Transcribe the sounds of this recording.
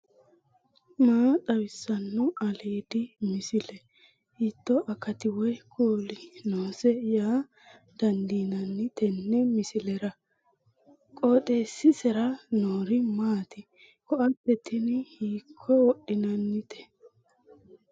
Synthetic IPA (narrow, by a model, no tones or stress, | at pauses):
maːt̪ʼɐwɪsːɐnːʊɐliːd̪ɪmɪsɪlɛ | hɪt̪ːɔʔɐkːɐt̪ɪwɔjkʰuːlɪnoːsɛjaː | d̪̥ɐnd̪iːnɐnːɪt̪ʰɛnːɛmɪsɪlɛɾɐ | kʼoːt̪ʼeːsːɪsɛɾɐnoːɾɪmaːt̪ɪ | kɔʔɐpːɛt̪ɪnhiːkʰːɔwɔɗɪnɐnːɪt̪ʰɛ̥